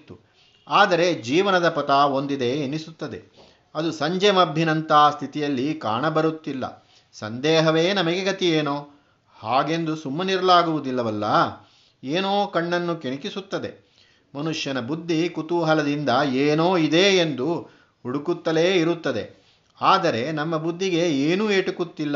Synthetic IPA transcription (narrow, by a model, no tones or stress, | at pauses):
t̪ːu | aːd̪ɐɾe̞d͡ʒiːʋɐnɐd̪ɐpɐt̪aːo̞nd̪id̪e̞ːnisut̪ːɐd̪e̞̰ | ɐd̪usɐɲd͡ʒemɐbʱjinɐnt̪aːst̪ʰit̪ijɐlːika̰ːɳɐbɐɾut̪ːilːɐ̰ | sɐ̰nd̪ɛːɦɐʋe̞ːnɐmɐɡeɡɐt̪ieːnoː | haːɡe̞nd̪usumːɐniɾɐlaːɡuʋud̪ilːɐʋɐlːɐ | eːnoːkɐɳːɐnːukenikisut̪ːɐd̪e̞̰ | mɐnuʂjɐnɐbud̪ʱːikut̪uɦɐlɐd̪ind̪ɐeːnoːid̪e̞end̪u | huɽukut̪ːɐle̞ːiɾut̪ːɐd̪e̞̰ | aːd̪ɐɾe̞nɐmːɐbud̪ʱːiɡe̞eːnuːeːʈukut̪ːilːɐ